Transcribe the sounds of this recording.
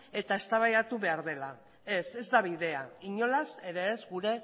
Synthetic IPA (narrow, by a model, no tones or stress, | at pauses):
e̞t̪ae̞st̪aβajat̪uβe̞aɾðe̞la | e̞se̞zd̪aβiðe̞aiɲo̞lase̞ɾeːzɡuɾe̞